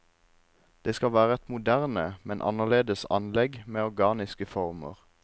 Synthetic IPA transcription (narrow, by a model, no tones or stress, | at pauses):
d̪̥eːskɑlʋæːʁəɛt̪mʊd̪æʁnəmɛnʔɑ̰nəʁleːd̪əsɑ̰nlɛɡmeːɔʁɡɑːnɪskəfɔʁmə̰ʁ